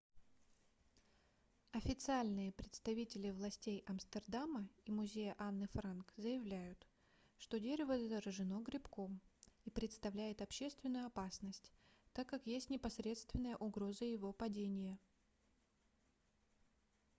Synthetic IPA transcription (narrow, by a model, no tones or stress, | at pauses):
ɐfʲɪt̪sɨalʲnɨjəpɾʲɪt̪st̪ɐvʲitʲɪlʲɪvlˠɐsʲtʲejɐmst̪ərd̪aməimʊzʲejəʔanːɨfɾankzəjɪvlʲæjʊt̪ | ʂt̪o̞dʲeɾʲɪvəzəzəɾəʐɨno̞ɡɾʲɪpko̞mipɾʲɪt̪st̪ɐvlʲæjɪt̪ɐpɕe̞st̪vʲɪnːʊjʊɐpasnəsʲtʲt̪akːakjesʲtʲnʲɪpɐsɾʲe̞t̪st̪vʲɪnːəjəʔʊɡɾo̞zəjɪvo̞pɐdʲenʲɪjə